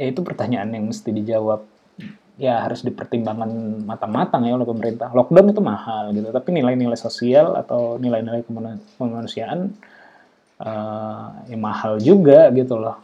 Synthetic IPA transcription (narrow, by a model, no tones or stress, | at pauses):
jait̪upərt̪aɲaʔanjaŋməst̪idid͡ʒawap̚ | jahaɾʊsdipərt̪imbaŋanmat̪aŋmat̪aŋjaolɛhpəməɾint̪ahlɔk̚dɔnit̪umahalɡit̪ut̪apinilainilajsosiala̰t̪awnilajnilajkəmakəmanusiaʔan | ʔə | jaŋmahald͡ʒuɡaɡit̪ulɔh